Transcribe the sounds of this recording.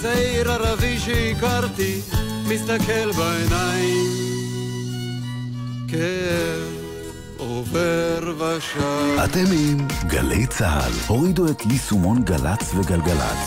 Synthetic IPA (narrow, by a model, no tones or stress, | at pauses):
zejɾaɾaviʃikaɾt̪i | mist̪akelbajnajim | ke | oveɾvaʃaat̪emimɡa̰lḛjt͡saha̰lhoʁid̪uet̪lisumonɡalat͡sveɡalɡala̰t